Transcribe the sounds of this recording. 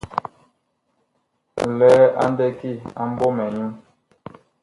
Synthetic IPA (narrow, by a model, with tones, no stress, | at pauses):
lɛː˨˦a̰˦n˦dɛ˦ki˦˨a˨m˦bɔ˦mɛ˨ɲu˦m